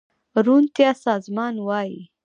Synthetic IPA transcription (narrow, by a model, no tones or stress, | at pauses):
ɾunt̪jɑsɑzmɑnwɑji